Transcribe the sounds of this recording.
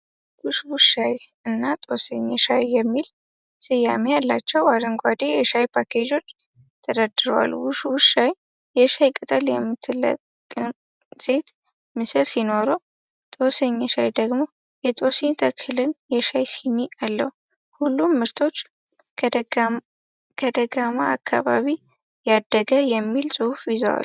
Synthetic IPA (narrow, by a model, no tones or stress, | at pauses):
wʊʃwʊʃajɨnːat̪ʼosəɲːɛʃajːɛmːil | sɨjamejalːat͡ʃːɛwad̪əŋɡʷad̪ejɛʃajpʰakʰed͡ʒo̞t͡ʃː | t̪ʰəd̪əd̪ɨɾwa̰lwʊʃwʊʃaj | jɛʃajkʼɨt̪ʼəljɛmːɨt̪ʰːɨlə̰kʼ | ɨ | sʼe̞t̪ | mɨsɨlsino̞ɾo | t̪ʼo̞seɲːɛʃajd̪əɡmo̞ | jɛt̪ʼo̞seɲt̪ʰəkʰɨlɨnjɛʃajsiniʔalːə̰hu | hulːumːɨɾt̪ʰo̞t͡ʃː | kʰəd̪əɡamaakʰːa̰βa̰βi | jad̪ːəɡəjɛmːilsʼɨhufjɪzə̰wa̰l